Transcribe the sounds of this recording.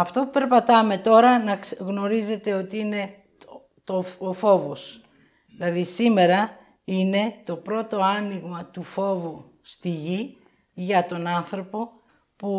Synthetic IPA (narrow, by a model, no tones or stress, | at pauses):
ɐft̪o̞pupe̞ɾpɐt̪ɐme̞t̪o̞ɾɐnɐɣno̞ɾize̞t̪e̞o̞t̪iine̞ | t̪oofo̞vo̞s | ilɐðisime̞ɾɐ | ine̞t̪o̞pɾo̞t̪o̞ɐniɣmɐt̪ufo̞vu | st̪iʝi | ʝɐt̪o̞nɐnθɾo̞po̞ | pu